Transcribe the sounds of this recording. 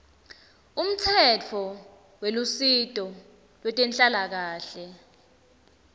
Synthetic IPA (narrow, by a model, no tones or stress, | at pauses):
um̩t͡sʰɛt͡fʰɔ | welusitʼɔ | lwɛtʼɛnt͡ɬʼalak̬aːɬɛ